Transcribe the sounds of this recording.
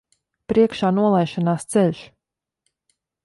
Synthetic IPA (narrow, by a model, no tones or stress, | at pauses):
pɾiɛkʃaːnuɔlˠajʃanaːst̪sɛʎʲʃ